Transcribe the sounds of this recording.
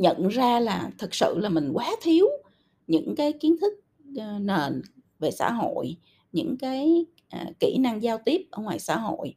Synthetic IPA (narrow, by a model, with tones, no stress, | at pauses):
ɲə̰˧˨nzaː˧laː˨˩t̪ʰɨ˨˩k̚sɨ̰˧˨laː˨˩mï˨˩ŋ̟kwaː˨˦t̪ʰi˨˦əw | ɲɨ̰˧˥ŋkaː˨˦jki˨˦ənt̪ʰɨ˦˥k̚ | ne˨˩n | ve˨˩sa̰ː˧˥ɦo̰˧˨j | ɲɨ̰˧˥ŋkaː˨˦j | ʔki˧˩na˧ŋzaː˧wt̪i˦˥əp̚ʔəː˧˩ŋwaː˨˩jsa̰ː˧˥ɦo̰˧˨j